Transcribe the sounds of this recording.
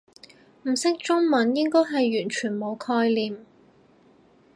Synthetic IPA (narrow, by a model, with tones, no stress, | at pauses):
m̩˨˩sɪ˥k̚t͡ʃʊ˥ŋmɐ˨˥njɪ˥ŋkɔː˥jɦɐ˨jɥyː˨˩nt͡ʃʰyː˨˩nmo˨˧wkʰɔː˧jliː˨m